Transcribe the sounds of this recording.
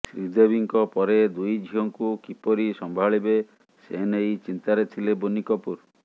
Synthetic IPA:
sɾid̪ebiŋkɔpɔɾed̪ujd͡ʒʱiɦɔŋkukipɔɾisɔmbʱaɭibe | senejt͡ʃint̪aɾet̪ʰilebonikɔpuɾ

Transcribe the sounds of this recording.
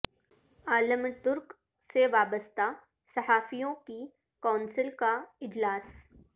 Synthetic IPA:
aːləmt̪ʊɾk | seʋaːbəst̪a | sɐɦaːfijõki | kaːnsɪlkaɪd͡ʒlaːs

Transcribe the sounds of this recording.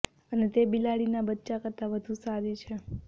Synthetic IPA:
ənet̪ebilaɽinabətːt͡ʃakəɾt̪aʋəd̪ʱũsaɾit͡ʃʰe

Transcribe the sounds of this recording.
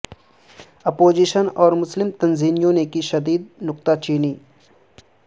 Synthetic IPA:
ɐpoːd͡ʒiʃənɔːɾmʊslɪmt̪ɐnziːnijõnekiʃɐd̪iːd̪̚nʊk̚t̪at͡ʃiːniː

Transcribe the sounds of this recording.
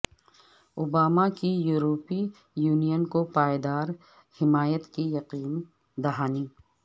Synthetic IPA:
ʊbaːmakijuːɾoːpi | juːnijənkopaːjed̪aːɾ | hɪmaːjət̪kijɐqiːn | d̪ɐɦaːni

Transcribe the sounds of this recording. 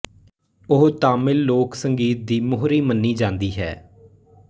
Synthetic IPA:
ʊɦt̪aːmɪlːoːksəŋɡiːt̪̚d̪iːmʊɦɾiːmənːiːd͡ʒãːnd̪iːɦɛ̰ː

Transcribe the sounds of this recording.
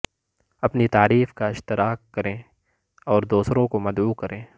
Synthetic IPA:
ɐpnit̪aːɾiːfkaɪʃt̪ɪɾaːkːɐɾẽː | ɔːɾd̪oːsɾõkomɐd̪uːkɐɾʔẽː

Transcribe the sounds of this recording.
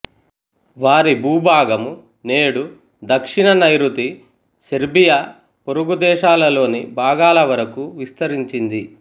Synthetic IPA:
ʋaːɾibʱuːbʱaːɡɐmu | ne̞ːɽu | d̪ɐkʂiɳɐnɐjɾut̪i | sɐɾbija | poɾuɡud̪ɛːʃaːlɐlo̞ːnibʱaːɡaːlɐʋɐɾɐkuʋist̪ɐɾiɲt͡ʃind̪i

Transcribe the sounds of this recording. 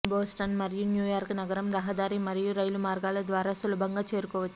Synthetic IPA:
boːsʈɐnmɐɾɪjɯnjuːjaːɾknɐɡɐɾɐmɾɐɦɐd̪aːɾimɐɾɪjuɾɐjlɯmaːɾɡaːlɐd̪ʋaːɾɐsɔlɐbɐŋɡɐt͡ʃeːɾkɔʋɐ

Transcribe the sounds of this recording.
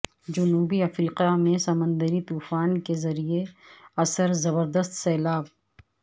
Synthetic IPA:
d͡ʒʊnuːbiɐfɾiːqamẽsɐmə̃nd̪əɾit̪uːfaːnkezɐɾieɐsəɾzɐbəɾd̪əst̪sɛːlaːb̚

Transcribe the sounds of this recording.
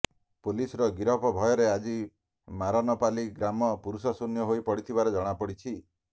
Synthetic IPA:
pulisɔɾɔɡiɾɔpɔbʱɔjɔɾead͡ʒi | maɾɔnɔpaliɡɾamɔpuɾusɔsunjɔɦoipɔɽit̪ʰibaɾed͡ʒɔɽ̃apɔɽit͡ʃʰi

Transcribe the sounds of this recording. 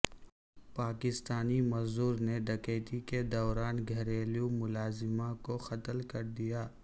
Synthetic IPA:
paːkɪst̪aːnimɐzd̪uːɾneɖɐkeːʈ̪iked̪ɔːɾaːnɡʱɐɾeːlijũmʊlaːzɪmãkoxɐt̪əlkɐɾd̪ijaː

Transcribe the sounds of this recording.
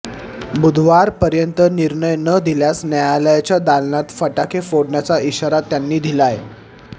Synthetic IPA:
bud̪ʱʋaɾpəɾjənt̪əniɾɳəjnəd̪ʱiljasnjajaləjat͡ɕjad̪alnat̪fəʈakʰefoɽɳjat͡saiɕaɾat̪ːjanːiːd̪ʱilaje

